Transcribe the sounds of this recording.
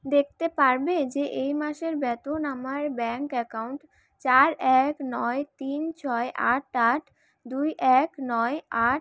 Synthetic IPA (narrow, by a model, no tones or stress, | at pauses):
d̪ek̚ʰt̪epaɾbed͡ʑeʔejmaʃeɾbɛt̪onamaɾbɛŋkɛkawɳʈ | t͡ɕaɾɛknɔet̪int͡ɕʰɔeʔaʈaʈʰ | d̪ujʔɛknɔeaʈ̚